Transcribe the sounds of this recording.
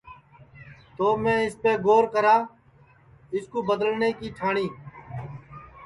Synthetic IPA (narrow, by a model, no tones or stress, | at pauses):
t̪oːmẽːɪspeːɡoːɾkəɾaː | ɪskoːbəd̪əlneːkiːʈʰaːɳiː